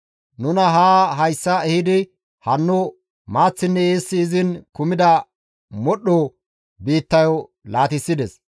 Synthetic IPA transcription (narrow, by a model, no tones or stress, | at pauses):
nʊnɐɦaːɦɐjsːɐɛhɪd̪ɪ | hɐnːʊ | maːt͡sːɪnːɛeːsːɪːzɪnkʊmɪd̪ɐ | mɔɗɔ | biːt̪ːɐjɔ | laːt̪ɪsːɪd̪ɛs